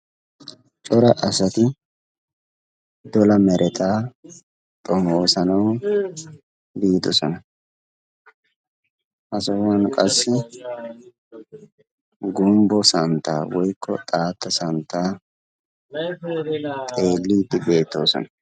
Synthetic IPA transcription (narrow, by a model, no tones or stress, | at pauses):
t͡ʃʼɔɾɐʔɐsɐt̪ɪ | d̪ɔlɐmɛɾʔɛt̪ʰaː | t̪ʼɔmo̞ːsɐnɐw | biːd̪ɔsɔnɐ | ʔɐsɔwɐnkʼɐsːɪ | ɡʊmbɔsɐnt̪ːa̰ːwɔjkʰːɔ̰t̪ʼaːt̪ːɐsɐnt̪ːaː | t̪ʼe̞ːlːiːd̪ɪbe̞ːt̪ːo̞ːsɔ̰nɐ̥